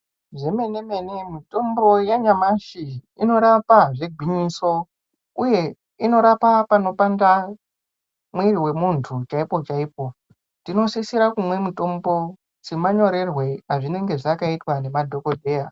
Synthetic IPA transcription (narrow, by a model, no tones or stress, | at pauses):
ʐe̞me̞ne̞me̞nemito̞mbo̞jaɲamaʃiino̞ɾapaʐe̞ɡʱwiɲiso̞ | uje̞ | ino̞ɾapapano̞panda | mwiɾiwe̞muntʰut͡ʃaipo̞t͡ʃaiːpo̞ | tino̞sisiɾakumwe̞mito̞mbo̞ | t͡simaɲo̞ɾe̞rwe̞aʐine̞ŋɡe̞ʐakaitwane̞madʱo̞ko̞dʱe̞ːja